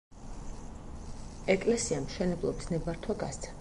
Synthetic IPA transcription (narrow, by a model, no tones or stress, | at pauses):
ɛkʼlɛsiamʃɛnɛblˠɔbisnɛbaɾt̪ʰwaɡa̰st̪sʰḁ